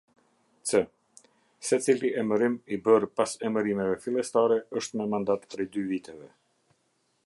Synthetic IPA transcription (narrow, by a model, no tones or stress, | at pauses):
t͡sɛ | sɛt͡siliʔɛməɾimibəɾpasɛməɾimɛvɛfilˠɛst̪aɾɛəʃt̪mɛmand̪at̪pɾɛjd̪yvit̪ɛvɛ